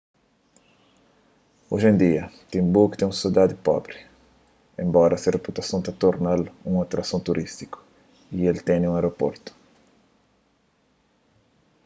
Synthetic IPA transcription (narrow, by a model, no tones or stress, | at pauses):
oʒẽnd̪iɐt̪ĩmbukt̪ẽŋ̃ũsid̪ad̪ɪpɔ̰bɾɪ | ẽmbɔɾɐsɪreput̪ɐsõnt̪at̪oɾnalũŋat̪ɾɐsõnt̪uɾʔist̪i̥kʊ̥ | ielt̪ẽniũaɾopo̰ɾt̪ʊ̥